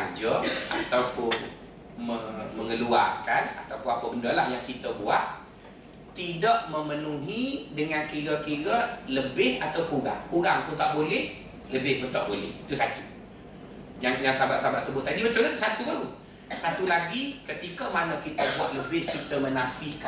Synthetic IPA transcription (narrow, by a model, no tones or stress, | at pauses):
d͡ʒəa̰t̪awpʊn | məməŋəluarkana̰t̪awpʊapəbəndəlahjaŋkit̪əbuat̪̚ | t̪idaʔməmənuɦidəŋankiɾəkiɾələbɪhat̪awkuɾa̰ŋkuɾaŋt̪ut̪aʔbolɛh | ləbɪhkut̪aʔbolɛ̰ht̪usat̪u̥ | d͡ʒaŋjaŋsabaʔsabaʔ̪̚səbʊt̪̚ːadimət͡ʃamat̪usat̪ubaɾu | sat̪ulaɡikət̪ikəmanəkit̪əbuat̪̚ləbɪhkit̪əmənafika